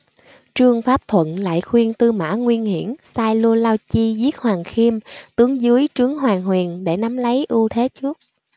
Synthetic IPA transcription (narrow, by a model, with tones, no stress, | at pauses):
t͡ɕɨ˧əŋfaː˦˥p̚t̪ʰwə̰˧˨nla̰ː˧˨jxwi˧ənt̪ɨ˧ma̰ː˧˥ŋwi˧ənhi˧˩əmsaː˧jlu˧laː˧wt͡ɕi˧zi˦˥ət̚hwaː˨˩ŋxi˧əmt̪ɨ˨˦əŋzɨ˨˦əjt͡ɕɨ˨˦əŋɦwaː˨˩ŋɦwi˨˩ənɗe˧˩na˨˦mlə˨˦jʔu˧t̪ʰe˨˦t͡ɕɨ˦˥ək̚